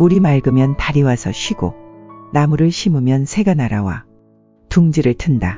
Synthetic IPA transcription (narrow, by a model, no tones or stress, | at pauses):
uɾimaɭɡɯmjʌntaɾiwasʰʌɕʰɥiɡo̰namuɾɯɭɕʰimumjʌnsʰe̞ɡanaɾawa̰ | tuŋd͡ʑiɾɯɭtʰɯnda